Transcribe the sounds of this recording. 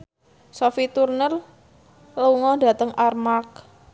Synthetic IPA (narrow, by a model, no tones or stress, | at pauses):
sofit̪urnər | luŋɔda̤t̪əŋʔarmak̚